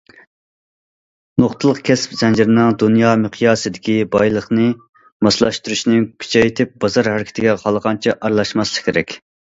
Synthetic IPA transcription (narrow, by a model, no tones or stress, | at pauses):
noχt̪ʰɨlˠəqkʲʰɛspz̥ɛnd͡ʒiɾɪnɪŋd̪unjɑmɨqʰjɑːsɨd̪ɪkʲibɑjlˠəχnɨ | mɑslˠɑʃt̪uɾuʃnɪkʲʰy̥t͡ʃʰɛjet̪ʰɪp̚b̥ɑzɑɾhæɾɪkʲʰt̪ʰɪɡʲɛqʰɑlˠəʁɑnt͡ʃʰɛʔɑɾlˠɑʃmɑslˠəχkʲʰeɾɛkʲ